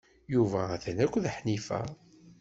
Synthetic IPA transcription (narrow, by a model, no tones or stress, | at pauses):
juvææθənækʷːðħnifæ̰